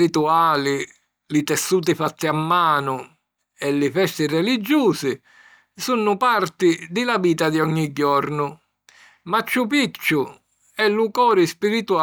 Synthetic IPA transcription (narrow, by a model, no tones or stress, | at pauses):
it̪uaːlɪ | lɪt̪ɛsːuːt̪ɪfat̪ːiamːaːnʊ | ɛlːɪfɛst̪ɪrɛlid͡ʒːuːsɪ | sunːʊpart̪ɪd̪ɪlaviːt̪ad̪iɔɲːiɟːɔɾnʊ | mat͡ʃːupit͡ʃːʊ | ɛlːukɔːɾɪspiɾit̪ua